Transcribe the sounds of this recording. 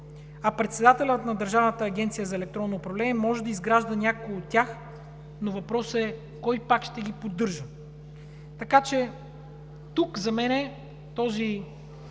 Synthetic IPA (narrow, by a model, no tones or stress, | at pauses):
ɐpɾɛt̪sɛd̪at̪ɛlʲət̪nɐd̪əɾʒavnət̪əːɡʲɛnt̪sijəzɐɛlɛk̚t̪ɾɔnːoːpɾɐvlɛnʲiɛmɔʒɛd̪ɐizɡɾaʒd̪ənʲakoɡot̪ʲːjax | novɐpɾɔsɛ | kɔjpakʃt̪ɛɡʲipod̪ːɤɾʒə | t̪ɐkat͡ʃɛ | t̪ukzɐmɛnɛ | t̪ɔzi